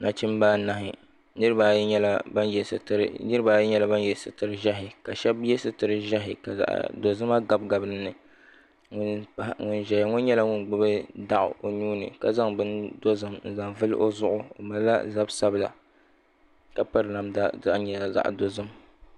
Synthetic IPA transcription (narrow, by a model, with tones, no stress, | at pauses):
na˨t͡ʃi˦m˦baː˦na˦ɦɪ˨ | nɨ˦ɾɨ˦ba˨˦ɲɛ˦la˦ba˦njɛ˨snɨ˦ɾɨ˦ba˨jɛ˦ɲɛ˦la˦ba˦njɛ˨sɨ˨tɨ˨ɾɨ˦ʒa˦ɦɪ˨ka˨ʃɛ˦bjɛ˦sɨ˦tɨ˨ɾɨ˦ʒa˦ɦɪ˨ka˨za̰˨ʔdo˨zɨ˦ma˦ɡa˨b̚ɡa˨bɨ˦ɨ˦nɨ˨ | ŋʊ˦npa˦˨ŋʊ˦nʒɛ˨ja˨ŋʊ˦n˦ɲɛ˦la˦ŋʊ˦nɡ͡bɨ˦bɨ˦da˦ʔʊ̰˨ʔo˨nuː˦nɨ˨ka˨za˦ŋbɨ˦ndo˦zɨ˨mn̩˨za˨ŋvɨ˦lʔo˦zʊ˦ʔʊ˦o̰˨ma˨˦la̰˦za˦bsa˦bɨ˨la̰˨ | ka˦pa˦ɾɨ˨na˨mda˦za˦˨ʔɲɛ˨la˨za̰˦˨ʔdo˨zɨ˦m